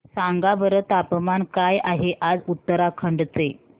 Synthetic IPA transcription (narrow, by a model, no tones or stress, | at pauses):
saŋɡaʋəɾət̪apmankajaɦeʔad͡zut̪ːəɾakʰəɳɖt͡se